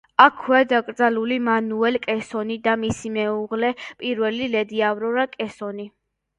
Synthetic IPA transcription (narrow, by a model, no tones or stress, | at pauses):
akʰːwɛd̪akʼɾd̪zalulimanuɛlkʼɛsɔnid̪amisimɛuʁlɛpʼiɾvɛlilɛd̪iavɾɔɾakʼɛsɔni